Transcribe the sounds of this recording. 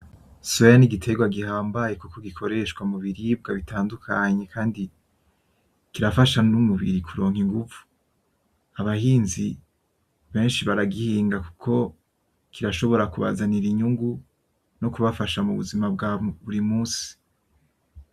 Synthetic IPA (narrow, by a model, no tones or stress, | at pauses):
suaniɡitʰe̞ɡwaɡihaːmbaje̞kukoɡikʰo̞ɾe̞ʃkwamuβiɾib̚ɡaβitʰaːndukʰaɲe̞kaːndi | kiɾafaʃanumuβḭɾikʰuɾo̞ːŋhiŋɡuvu̥ | aβahiːnzi | βe̞ːnʃiβaɾaɡihiːŋɡaku̥kʰo̞ | kʰiɾaʃo̞βo̞ɾakuβa̰zaniɾiɲuŋɡu | no̞kuβafaʃamuβuzimab̚ɡaβuɾimuːsi̥